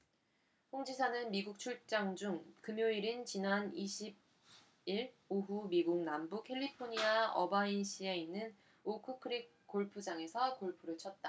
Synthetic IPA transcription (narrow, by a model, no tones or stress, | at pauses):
ɸoŋd͡ʑisʰanɯnmiɡuk̚t͡ɕʰuɭt͡ɕ͈aŋd͡ʑuŋkɯmjoiɾɯnt͡ɕinaniɕʰib̚ | iɾ | oɦumiɡuŋ̚nambukʰe̞ʎːipʰoɲiaʌ̰bainɕʰie̞inːɯn | okʰɯkʰɯɾik̚k͈ːoɭpʰud͡ʑaŋe̞sʰʌkoɭpʰuɾɯɭt͡ɕʰʌt̚t͈a